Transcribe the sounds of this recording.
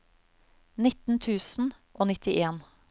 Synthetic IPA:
nɪt̪n̩t̪ʰʉːsn̩ | ʔoːnɪt̪ɪʔeːn

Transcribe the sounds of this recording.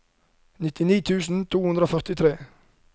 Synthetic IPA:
nɪt̪ɪniːt̪ʰʉːsn̩t̪ʰuːhʉnd̪ɾoːfœʁt̪ɪt̪ʰɾeː

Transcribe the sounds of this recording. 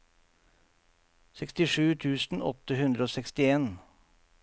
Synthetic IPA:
sɛkst̪ɪʂʉːt̪ʰʉːsn̩ɔ̰t̪əhʉnd̪ɾəoːsɛkst̪ɪeːn

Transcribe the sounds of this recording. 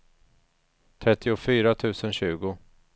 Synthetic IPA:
t̪ʰɾɛt̪ːɪʊfyːɾat̪ʰʉ̟ːsənɕʉ̟ːɡʊ

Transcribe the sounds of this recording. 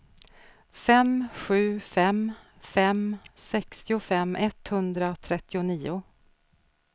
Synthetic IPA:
fɛmɧʉ̟ːfɛm | fɛmsɛkst̪ɪʊfɛmːʔɛt̪hɵnd̪ɾat̪ʰɾɛt̪ːɪʊniːʊ

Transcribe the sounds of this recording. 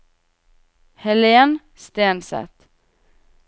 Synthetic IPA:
hɛleːn | st̪eːnsɛ̰t̪

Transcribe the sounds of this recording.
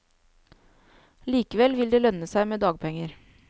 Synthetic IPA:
liːkəʋɛlʋɪld̪eːlœnəsæɪmeːd̪ɑːɡ̚pʰɛŋəɾ

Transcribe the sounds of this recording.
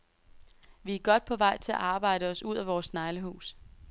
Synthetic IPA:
ʋiæɡ̥ɒ̽d̥̚pʰɒ̽ʋɑ̈ɪt͡sʰe̝æ̰ʔɑ̈ːb̥ɑ̈ɪ̰ɾəɒ̽suð̞̰ˠæʋɒːsnɑ̈ɪləɦṵːs

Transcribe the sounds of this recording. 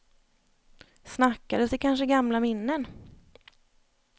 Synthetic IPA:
snakːad̪əsɪkʰanʂəɡamlamɪnːən

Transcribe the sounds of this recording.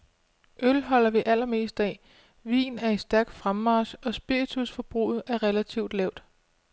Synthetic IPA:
ʔølɦɒ̽l̰ɐʋiʔælɐme̝̰ːsd̥ɛ | ʋḭːnæɐe̝̥sd̥æɐɡ̥̚fʁamːɑ̈ːsɒ̽sb̥iit͡sʰusfɒ̽b̥ʁṵːð̩ˠæɐʁelæt͡sʰiʊd̥lɛʊd̥

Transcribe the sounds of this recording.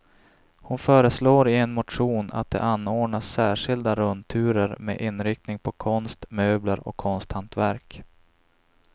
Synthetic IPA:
hʊnfœːɾəsloːɾɪɛnmʊʈ̪ɧuːna̰t̪̚d̪ɛ̰ʔanːoːɖɳasːæːʂɪld̪aɾɵnt̪ʰʉ̟ːɾəɾmḛʔɪnːɾɪkt̪nɪŋpʰɔkʰɔnst̪møːblaɾɔ̰kʰːɔnst̪hant̪væɾk

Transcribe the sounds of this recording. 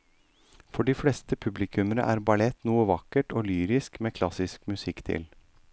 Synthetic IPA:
fɔɖiːfɽɛst̪əpʰʉblɪkʰʉməɾə̰ʔæ̰ːɾbɑlɛt̪nuːəʋɑkːəʈoːlyːɾɪskmeːkʰlɑsɪskmʉsɪkːt̪ʰɪ̰l

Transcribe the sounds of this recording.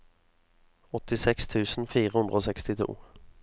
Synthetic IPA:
ɔt̪ɪsɛkst̪ʰʉːsn̩fiːʁəhʉnd̪ʁəoːsɛkst̪ɪt̪ʰṵː

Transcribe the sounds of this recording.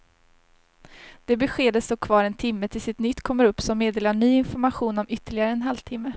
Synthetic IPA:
d̪̥ɛbɛɧeːd̪əst̪oːkʰvɑːɾɛnt̪ʰɪmːət̪ʰɪlsɪt̪nʏt̪ːkʰɔmːəɾɵpːsɔmːeːd̪eːlaɳyːɪnfɔɾmaɧuːnɔmʏt̪ːəɭɪɡaɾəɛnɦalvt̪ʰɪmːə

